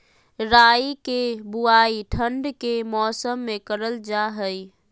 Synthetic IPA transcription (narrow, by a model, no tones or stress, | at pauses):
ɾaːikebuaiʈʰəɳɖkemɔːsəmːekəɾəld͡ʒaɦəj